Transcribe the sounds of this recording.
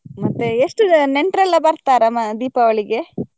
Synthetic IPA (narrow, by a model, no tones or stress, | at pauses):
mɐt̪ːeeʂʈuneɳʈɾɐlːɐbɐɾt̪aːɾɐmɐd̪iːpɐʋɐɭiɡe̞